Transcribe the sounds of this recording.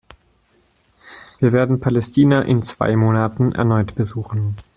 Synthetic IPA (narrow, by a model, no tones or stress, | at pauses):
viːɐveːɐdn̩pʰalɛstʰiːnaʔɪnt͡sv̥a̰ɪmoːnatn̩ʔɛ̰ɐnɔʏtb̥əzuːχn̩